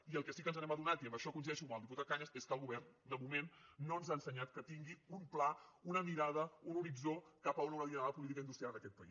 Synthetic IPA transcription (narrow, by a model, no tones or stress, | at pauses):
iəlˠkəsikənzənɛməðunat̪iəmbəʃɔkuns̬iðɛʃukmalˠd̪ip̬ut̪at̪̚kaɲəseskəlˠɣuβɛrnd̪əmumenːonzaənsəɲat̪kət̪iŋɡiumplaunəmiɾað̞əunuɾid͡zokapəununəmiaðəəp̬ulit̪ikəind̪ust̪ɾialˠnəkɛt̪̚pəḭ